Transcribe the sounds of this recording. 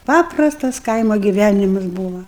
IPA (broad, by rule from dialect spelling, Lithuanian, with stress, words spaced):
ˈpɑːprɐstɐs ˈkɐɪmoː ɡʲɪˈʋʲænʲɪmɐs ˈbuːʋɐ